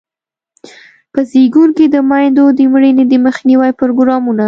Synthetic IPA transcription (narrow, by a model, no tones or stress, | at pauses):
pəziɡuɾked̪əmɑjnd̪od̪əmɽəned̪əməxniwajpɾoɡɾɑmuna